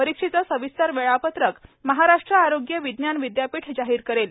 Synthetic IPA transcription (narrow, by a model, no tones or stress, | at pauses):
pəɾikʂit͡səsəʋist̪aɾʋeɭapət̪ɾəkməɦaɾaʂʈɾəaɾoɡjəʋid̪njanʋid̪japiːʈʰd͡ʑaɦiːɾkəɾel